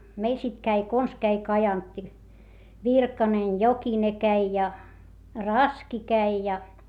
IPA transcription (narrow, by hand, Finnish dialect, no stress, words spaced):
meil sit kæi kons kæi kɑjɑntːi ʋirkɑnen jokine kæi jɑ rɑski kæi jɑ